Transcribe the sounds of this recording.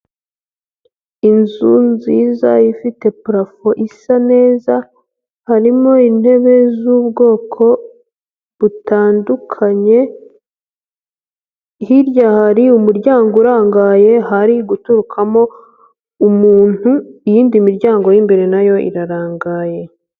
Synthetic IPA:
inzunzizaifite̞pɾafo̞ʔisane̞ːza | haɾimo̞in̥he̞βe̞zuːbɡo̞ːkʰo̞ | βutaːndukʰaɲe̞ | hiɾjahaɾiumuɾɟaːŋɡouɾaːŋɡaːje̞ɦaɾiɡutuɾukʰamo̞ | umuːn̥huijiːndimiɾɟaːŋɡo̞jimbe̞ɾe̞najo̞ḭɾaɾaːŋɡaːje̞

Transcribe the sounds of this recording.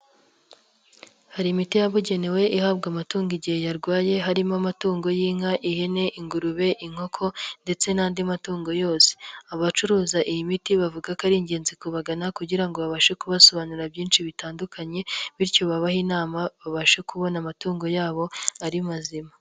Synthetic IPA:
haɾimitijaβuɟe̞newe̞ʔihaːbɡamatuːŋɡiɟihe̞jaɾɡwaːje̞ɦaɾimamatuːŋɡo̞jiːŋ̥aʔihe̞ne̞ʔiŋɡuɾuβe̞ʔiŋ̥ho̞kʰo̞nde̞t͡se̞naːndimatuːŋɡo̞jo̞ːse̥aβat͡ʃuɾuːzaʔijimitiβavuɡakaɾiːɲɟe̞ːnzikuβaɡanakuɟiɾaŋɡo̞βaβaʃe̞kuβaso̞βanuɾabjiːnʃiβitaːndukʰaɲe̞βiɾco̞βaβahinaːmaβaβaʃekʰuβo̞namatuːŋɡo̞jaːβo̞aɾimazima

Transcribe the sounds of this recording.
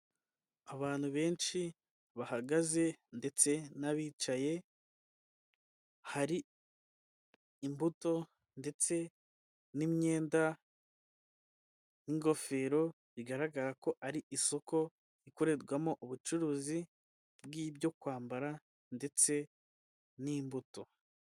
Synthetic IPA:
aβaːn̥huβe̞ːnʃi | βahaɡaze̞nde̞t͡se̞naβiːt͡ʃaje̞ | haɾi | mbuto̞ | nde̞t͡se̞ | nimɲe̞ːnda | niŋɡo̞fe̞ːɾo̞ | βiɡaɾaɡaɾako̞ʔaɾiʔiso̞ko | ikoɾe̞ɾɡwamoʔuβut͡ʃuɾuːzi | bɡiːbjo̞kwaːmbaɾa | nde̞t͡se̞ | nimbuto̞

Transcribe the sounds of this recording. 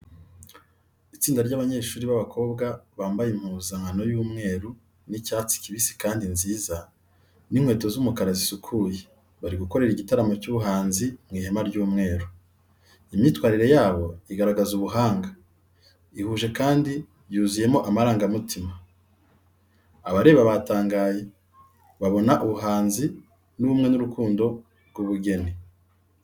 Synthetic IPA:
it͡siːndaɾɟaβaɲeːʃuːɾiβaβakʰo̞ːbɡaβaːmbajem̥huːzaŋano̞juːmŋe̞ːɾu | nicaːt͡si̥ciβisi̥kaːndinziːza | niŋ̥hwe̞ːto̞zumukaɾazisukʰuje | βaɾiɡuko̞ɾe̞ɾiɟitaɾamocuβuɦaːnzimŋiːhemaɾɟuːmŋe̞ːɾu | imjitwaːɾiɾe̞jaːβo̞iɡaɾaɡazuβuɦaːŋɡa | ihuːʒe̞kaːndi | juːzije̞mo̞ʔamaɾaːŋɡamutʰima | aβaɾe̞βaβataːŋɡaːje̞ | βaβo̞naʔuβuɦaːnzi | nuβumŋe̞nuɾukuːndo̞ | ɾɡwuβuɡe̞ni

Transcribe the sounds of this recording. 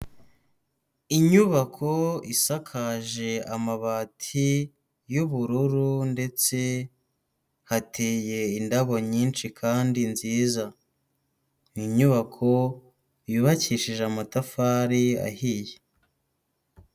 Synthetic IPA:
iɲuβakʰo̞isakʰaʒe̞amaβatʰi | juβuɾuɾunde̞t͡se̞ | hatʰeːje̞indaβo̞ɲiːnt͡ʃikʰaːndinziːza | niɲuβakʰo̞ | juβaciːʃiʒeamatafaːɾia̰hije

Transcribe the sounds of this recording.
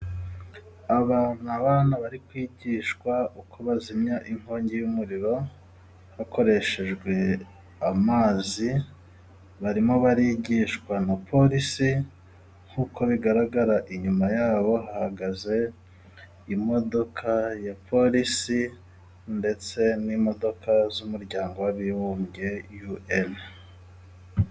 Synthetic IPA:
aβaːn̥uaβaːnaβaɾikwiːɟiːʃkwaukʰo̞βazimɲaʔiŋ̥ho̞ːɲɟejumuɾiɾo̞ | hako̞ɾe̞ʃe̞ʒɡwe̞ | amaːzi | βaɾimoβaɾiːɟiʃkwanapʰo̞ɾisi | ŋ̥huːkʰo̞βiɡaɾaɡaɾaʔiɲumajaːβo̞hahaɡaze̞ | imo̞do̞kʰajapʰo̞ɾisi | nde̞t͡se̞nimo̞do̞kʰazumuɾɟaːŋɡo̞waβiβuːmɟe̞juen

